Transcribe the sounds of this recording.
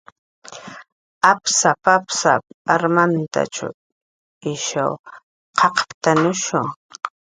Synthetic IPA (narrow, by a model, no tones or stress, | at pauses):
apsapapsa̰aɾmant̪a̰t͡ʃa̰ | ɪʃa̰w | qʰɑqpt̪anʊʃʊŋ